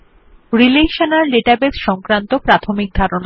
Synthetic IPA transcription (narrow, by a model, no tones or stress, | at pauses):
ɾileʃanaɾleʈabesʃɔŋkɾant̪opɾat̪ʰomik̚d̪ʱaɾona